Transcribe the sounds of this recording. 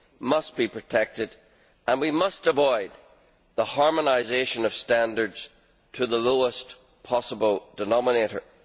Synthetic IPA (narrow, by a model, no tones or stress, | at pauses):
mʌst̚b̥ipʰɹ̥ɨtʰɛk̚tɪd | ə̃nwimʌstəvɔɪd̪̚ | ðəhɑɹmənaɪzeʃə̃nʌv̥stæ̃ndə˞dz̥ | tʰəðəloəs | pʰɑsəbəlˠdənɑməneɾə̰˞